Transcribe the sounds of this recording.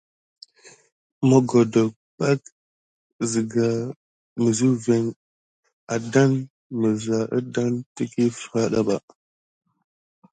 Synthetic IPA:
mə˨ɡo˨do˨ | pa˦k | zi˨ɡa˨ | mə˨zu˦ve˨ŋ | a˨da˦n | mə˨za˨ʔə̰˦da˦ntə˦ki˦fɾa˦ɗa˦ɓa˨

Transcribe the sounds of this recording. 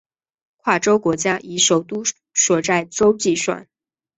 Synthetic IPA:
kʰwa˥˩ʈ͡ʂo˥ʊkwɔ˧˥t͡ɕja˥ʔi˧˥ʂo˨˩ʊt̪u˥ | ʂwɔ˨˩t͡sa˥˩ɪʈ͡ʂo˥ʊt͡ɕi˥˧ʂwa̰˥˩n

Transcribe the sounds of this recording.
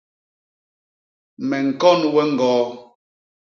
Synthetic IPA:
mɛ˨ŋ̩˨kɔ˦nwɛ˦ŋ̩˨ɡɔː˨˦

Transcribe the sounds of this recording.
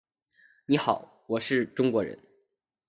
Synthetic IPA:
ni˧˥xɑ˨˩˦ʊ | wɔ˨˩ʂɻ̩˥˩ʈ͡ʂʊ˥ŋkwɔ˧˥ɻə̰˧˥n

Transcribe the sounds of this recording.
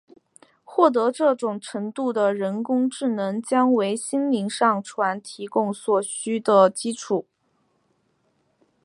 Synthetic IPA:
xwɔ˥˩t̪̬ɤ˧˥ʈ͡ʂɤ˥˩ʈ͡ʂʊ˨˩ŋʈ͡ʂʰə˧˥ŋt̪u˥˩d̪ə˩ɻə˧˥nkʊ˥ŋʈ͡ʂɻ̩˥˩nɤ˧˥ŋt͡ɕjɑ˥ŋwe˧˥ɪɕi˥nli˧˥ŋʂɑ˥˩ŋʈ͡ʂʰwa˧˥nt̪ʰi˧˥kʊ˥˩ŋswɔ˨˩ɕy˥d̪ə˨t͡ɕi˥ʈ͡ʂʰu˨˩˦

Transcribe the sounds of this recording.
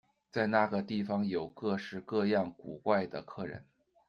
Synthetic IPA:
t͡sa˥˧ɪna˥˩ɡə˩t̪i˥˩fɑ˧˥ŋjo˨˩ʊkɤ˥˧ʂɻ̩˥˧kɤ˥˧jɑ˥˩ŋku˨˩kwa˥˩ɪd̪ə˩kʰɤ˥˩ɻə̰˧˥n

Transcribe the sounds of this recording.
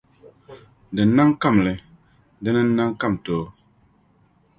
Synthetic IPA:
dɛ˨na˦ŋ˦ka˦˨mlɛ˨ | dɛ˦nɛ˦n̩˦na˦ŋ˦ka˦˨mtoː˨˦

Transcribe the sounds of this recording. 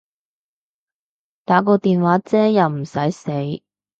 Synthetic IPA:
t̪aː˨˥k̬ɔː˧t̪iː˨nwaː˨˥t͡sɛː˥jɐ˨wm̩˨˩sɐ˨˥jse˨˥j

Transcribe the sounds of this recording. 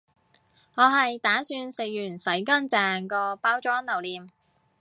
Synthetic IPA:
ŋɔː˨˧ɦɐ˨jt̪aː˨˥syː˧nse˨jjyː˨˩nsɐ˨˥jkɐ˥nt͡sɛː˨ŋkɔː˧paː˥wt͡ʃɔː˥ŋlɐ˨˩wliː˨m

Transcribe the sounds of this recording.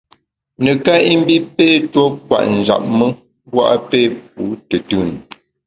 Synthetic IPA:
nə˨ka˦i˦m̩˦bi˦pe˦tɔ˦k̚wa̰˨ʔn̩˨d͡ʒa̰˨p̚mə˦ | bwa̰˦ʔa˦pe˦˨p̚u˨˦tə˨tʉ˦˨n˨

